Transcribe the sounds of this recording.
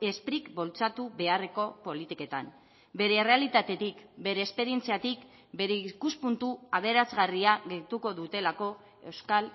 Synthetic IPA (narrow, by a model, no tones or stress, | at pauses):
e̞spɾikbo̞lt͡sat̪uβe̞are̞ko̞po̞lit̪ike̞t̪am | be̞ɾe̞re̞alit̪at̪e̞t̪ikbe̞ɾe̞ːspe̞ɾie̞nt͡siat̪ik | be̞ɾeikuspunt̪uaβ̞e̞ɾazɣariaɣe̞t̪uko̞ðut̪e̞lako̞ | e̞wskal